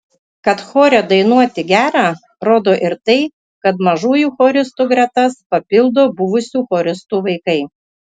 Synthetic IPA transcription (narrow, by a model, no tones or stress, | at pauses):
kɐt̪xoːɾʲɛd̪ɐɪnuɔt̪ʲɪɡʲæːɾɑː | ɾoːd̪oːʔɪɾt̪ɐɪ | kɐt̪mɐʒuːjuːxoːɾʲɪst̪uːɡɾʲɛt̪ɐspɐpʲɪlˠd̪oːbʊʋʊsʲuːxoːɾʲɪst̪uːʋɐɪkɐɪ